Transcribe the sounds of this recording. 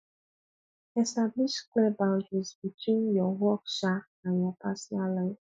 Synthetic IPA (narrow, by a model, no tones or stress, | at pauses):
ɛstabliʃklɛbãld͡ʒizbitĩnjɔwɔksanajapasialaj